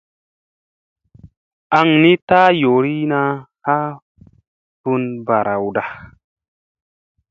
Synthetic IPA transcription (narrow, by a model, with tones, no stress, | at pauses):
ʔa˧ŋni˦taː˦jo˨ɾi˦na˧ha˦ | tu˧nba˨ɾʔa˨wda˨